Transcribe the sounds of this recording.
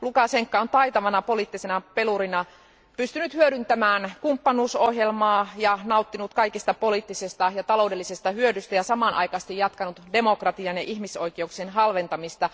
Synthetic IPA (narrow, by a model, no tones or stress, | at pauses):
lukɑseŋkːɑont̪ɑjt̪ɑʋɑnɑpoliːˑt̪ːisenɑpe̞luɾinɑ | pyst̪ynyt̪hyøɾynt̪æmæːnkumpːɑnuːsohjelmɑːjɑnɑut̪ːinut̪kɑikist̪ɑpo̞liːˑt̪ːisest̪ɑjɑt̪ɑlo̞wde̞lːisest̪ɑhyødyst̪æjɑsɑmɑnʔɑ̰jkɑst̪ijɑt̪kɑnut̪demokrɑt̪iɑnjɑʔihmisoikeuksenɦɑlʋe̞nt̪ɑmist̪ɑ